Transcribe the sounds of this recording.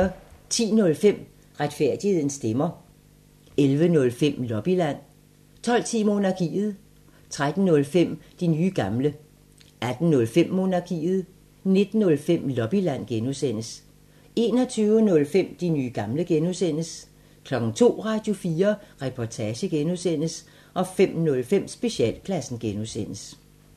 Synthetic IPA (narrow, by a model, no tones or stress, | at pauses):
t͡sʰḭːnɔ̽lfem̰ | ʁad̥fæɐ̰d̥ihe̝ð̰ˠn̩sd̥emɐ | elʋənɔ̽lfem̰lɒ̽b̥ilæn̰ | t͡sʰɒ̽l̰t͡sʰḭːmo̝ːnɑ̈ɡ̥ʰḭːð̞̩ˠ | t͡sʰʁad̥n̩ːɔ̽lfem̰d̥inyːɡ̥ɑ̈mlə | æd̥n̩nɔ̽lfem̰mo̝nɑ̈ɡ̥ʰḭːð̞̩ˠ | ne̝d̥n̩ːɔ̽lfem̰lɒ̽b̥ilæn̰ɡ̥enuðˠsen̰əs | e̝ːnɒ̽t͡sʰyːʊənɔ̽lfem̰d̥inyːɡ̥ɑ̈mləɡ̥enusen̰əs | kʰlɒ̽ɡ̥ŋ̩t͡sʰo̝̰ːʁɑ̈d̥jo̝fiːɐʁɛpʰɒt͡sʰɛːɕəɡ̥enuðˠsen̰əs | ʔɒ̽fem̰nɔ̽lfem̰sb̥e̝ɕiɛ̰ːl̰kʰlæsn̩ɡ̥enuðˠsen̰əs